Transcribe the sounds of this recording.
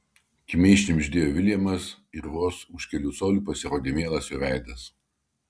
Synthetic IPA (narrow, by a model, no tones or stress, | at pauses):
kʲɪmʲɛɪʃʲnʲɪmʲʒʲd̪ʲeːjoːʋʲɪlʲɛmɐs | ɪɾʋoːsʊʃʲkʲɛlʲuːsoːlʲuːpɐsʲɪɾoːd̪ʲeːmʲeːlˠɐsjoʋʲæˑɪd̪ɐs